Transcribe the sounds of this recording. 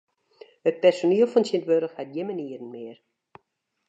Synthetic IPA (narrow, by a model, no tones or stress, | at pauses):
hət̚pɛrsoniəlˠfɔnsɪntʋøɾəxhat̚jɪmaniəɾənmɪər